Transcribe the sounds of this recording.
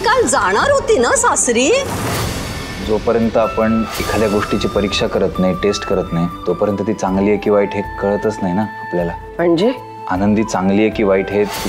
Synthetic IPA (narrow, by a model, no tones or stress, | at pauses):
kald͡zaɽ̃aɾɦot̪iːnəsasɾiː | d͡zopəɾjənt̪əapəɳekʰad̪jaɡoʂʈit͡ɕiːpəɾikʂakəɾət̪najʈesʈkəɾət̪nait̪opəɾjənt̪ət̪iːt͡saŋɡlijəkiːʋaiʈɦekəɭət̪ət͡snaɦinaapljala | m̤əɳd͡ʑe | anənd̪iːt͡saŋɡliːjəkiːʋaiʈɦe